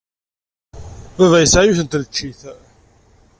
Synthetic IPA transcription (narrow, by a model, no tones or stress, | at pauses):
ðævæjəsʕæjuθənt̪lt͡ʃːiθ